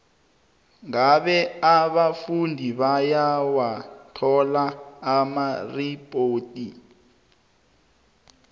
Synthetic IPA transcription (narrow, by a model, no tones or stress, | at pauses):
ŋaɓɛaɓafundʱiβajawatʰɔlaːmaripʼoːtʼi